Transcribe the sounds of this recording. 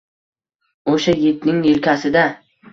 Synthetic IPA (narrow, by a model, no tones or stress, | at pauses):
oʃajɪt̪nɪŋjɪlkʲasɪd̪a